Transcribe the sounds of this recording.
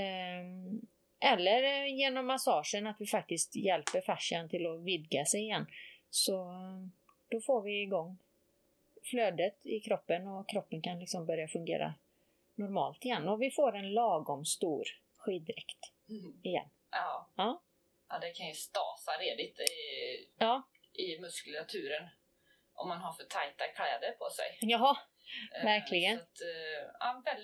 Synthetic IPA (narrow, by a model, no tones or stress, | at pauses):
ʔɛlːəɾjeːnɔmːasɑːʂənat̪vɪfak̚t̪ɪst̪jɛlpəɾfaʂant̪ʰɪlɔvɪd̪ɡasɛjɪjɛnːsɔ | d̪̥ɔfoːɾvɪɡɔŋː | fløːd̪ət̪ɪkʰɾɔpːənɔkʰɾɔpːənkʰanlɪksɔmbœɾjafɵŋɡḛːɾa̰ | nɔɾmɑ̰ːlt̪ɪjɛnːɔvɪfoːɾɛnlɑːɡɔmst̪uːɾ | ɧiːd̪ɪɾɛkt̪ | ɪjɛ̰nː | ɑː | ad̪ɛkʰanjɵst̪ɑ̰ːsaɾeːd̪ɪt̪ɪjɑː | ʔɪmɵskəlat̪ʰʉ̟ːɾən | ʔɔ̰mːanɦaɾfœʈʰajt̪akʰlɛ̰ːd̪əpʰɔsɛ̰jjɑː | væɾkʰlɪɡənt̪avɛl